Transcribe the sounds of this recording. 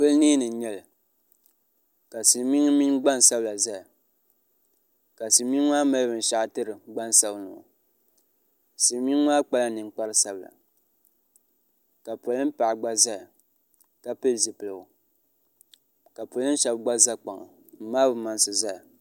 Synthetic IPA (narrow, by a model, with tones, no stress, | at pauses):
pɨ˦lniː˦nɨ˨ɲɛ˦lɨ˨ | ka˨si˨˦mi˦ŋ˦mi˦ŋɡ͡ba˦n˨sa˦bla˨za˦ja˨ | ka˨si˨˦mi˦n˦ŋaː˦ma˦lbɨ˨n˨ʃa˨ʔtɨ˦ɾɨ˨ɡ͡ba˦n˨sa˦bnɨ̰˨ŋ̰˨ | si˨˦mi˦ŋ˦wʷaː˦k͡pa˦la˦nɨ˨ŋk͡pa˦ɾɨ˦sa˦bɨ˨la̰˨ | ka˨pʊ˨lɨ˦m̩˦pa˨ɡ͡ba˦za˦j | ka˦pɨ˦lzɨ˨pɨ˨lɨ˨ɡʊ˨ | ka˨po˨lɨ˦n˦ʃɛ˨bɡ͡ba˦za˦k͡pa˨ŋa̰˨ | m̩˦maː˦bɨ˨ma˨nsɨ˨za˦ja˨